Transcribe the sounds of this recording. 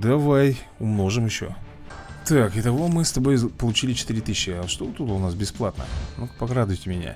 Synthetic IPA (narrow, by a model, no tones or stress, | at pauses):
d̪ɐvaj | ʊmno̞ʐɨmjɪɕːo̰ | t̪akɪt̪ɐvomɨst̪ɐbo̞jpəlˠʊt͡ɕilʲɪt͡ɕɪ̥t̪ɨɾʲɪt̪ɨɕʲːɪaʂt̪ot̪ut̪ʊnasbʲɪsplˠat̪nə̰nupɐkɾad̪ʊjtʲɪmʲɪnʲa̰